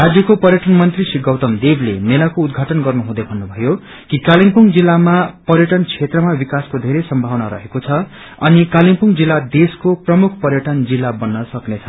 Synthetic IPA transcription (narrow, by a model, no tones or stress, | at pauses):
rad͡zjʌkopʌrjʌʈʌnmʌnt̪risiɡʌwt̪ʌmd̪eblemelakoud̪ɡʱaʈʌnɡʌrnuɦũd̪ebʱʌnːubʱʌjo | kikaliŋpuŋd͡zilːamapʌrjʌʈʌnt͡sʰet̪rʌmabikaskod̪ʱeɾesʌmbʱawnaɾʌ̰ɦekot͡sʰʌ | ʌnikalimpuŋd͡zilːad̪eskoprʌmukʰpʌɾjʌʈʌnd͡zilːabʌnːʌsʌknet͡sʰʌ̥